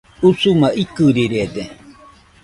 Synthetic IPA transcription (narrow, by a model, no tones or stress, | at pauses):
usumaʔikɨɾiɾied̪e